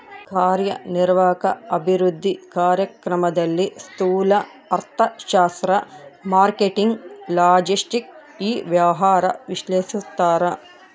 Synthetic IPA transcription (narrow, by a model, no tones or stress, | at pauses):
kaːɾjɐ̰niɾʋaːkɐɐbʱiɾud̪ʱːikaːɾjɐkɾɐmɐd̪ɐlːist̪uːlɐ | ɐɾt̪ʰɐʃaːst̪ɾɐmaːɾkeʈiŋɡlaːd͡ʒisʈik̚iːʋjɐʋɐɦaːɾɐ̰ʋiʃleːʃist̪ːaːɾɐ